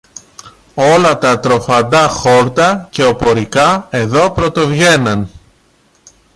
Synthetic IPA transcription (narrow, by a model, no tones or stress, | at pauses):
o̞lɐt̪ɐt̪ɾo̞fɐnd̪ɐxo̞ɾt̪ɐce̞o̞po̞ɾikɐe̞ðo̞pɾo̞t̪o̞vʝe̞nɐn